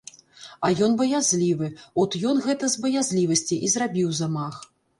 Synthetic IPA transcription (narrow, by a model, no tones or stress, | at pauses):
ɐjɔnbɐjazʲlʲivɨɔt̪jɔnɣɛt̪ɐzbɐjazʲlʲivɐsʲt͡sʲiʔizrabʲiwzamax